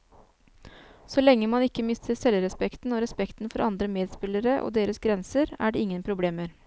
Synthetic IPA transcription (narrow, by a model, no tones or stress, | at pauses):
sɔlɛŋːəmɑnɪkːəmɪst̪əɾsɛlɾɛspɛkt̪n̩oːɾɛspɛkt̪n̩fɔɾʔɑnd̪ɾəmeːd̪spɪləɾəʔo̰ːd̪eːɾəsɡɾɛnsəɾæ̰ːɖeɪŋːənpʰɾʊbleːməɾ